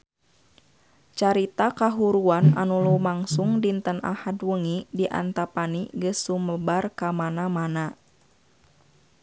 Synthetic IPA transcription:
t͡ʃaɾit̪akaɦuɾuana̰nulumaŋsuŋdint̪əna̰hadwəŋidiʔa̰nt̪apaniɡəsːuməbarkamanamana

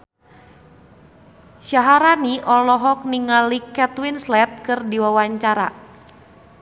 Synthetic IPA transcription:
ʃaɦaɾaniʔɔlɔɦɔk̚niŋalikɛt̪winslɛt̪̚kɨrdiwawaɲt͡ʃaɾa̰

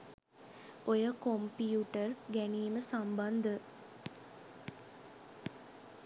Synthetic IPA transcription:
ojəkompiuʈərɡæniːməsamband̪ə

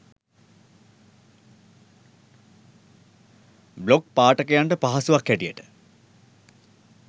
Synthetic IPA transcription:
blok̚paːʈəkəjaɳʈəpaɦasuʋakːæʈijəʈə̥

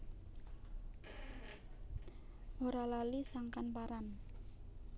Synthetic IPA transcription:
ʔoɾalalisaŋkanpaɾan

